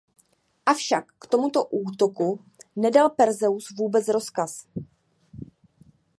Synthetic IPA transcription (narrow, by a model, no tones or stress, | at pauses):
ʔafʃakːt̪o̞mut̪o̞ʔuːt̪o̞ku | nɛdalpɛɾzɛusvuːbɛt͡sɾo̞skas